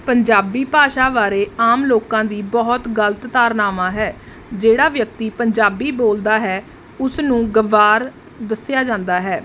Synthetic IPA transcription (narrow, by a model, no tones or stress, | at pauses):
pəɲd͡ʒaːbiːpaːʃaːʋaːɾeːaːmloːkãːd̪iːbɔɦt̪ɡələt̪t̪aːɾnaːmãːɦɛː | d͡ʒeːɽaːʋjək̚t̪iːpəɲd͡ʒaːbiːboːld̪aːɦɛː | ʊsnũːɡəʋaːɾ | d̪əsjaːd͡ʒãːnd̪aːɦɛː